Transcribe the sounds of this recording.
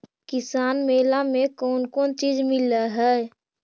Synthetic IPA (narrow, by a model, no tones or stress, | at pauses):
kɪsaːnmeːlamekɔːnkɔːnt͡ʃiːd͡ʒmɪləɦɛ